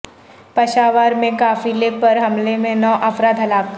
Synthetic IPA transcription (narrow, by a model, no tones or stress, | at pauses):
pɐʃaːʋaːɾmẽkaːfileːpɐɾɦɐmlemẽnɔːʔɐfɾaːd̪ʱɦɐlaːk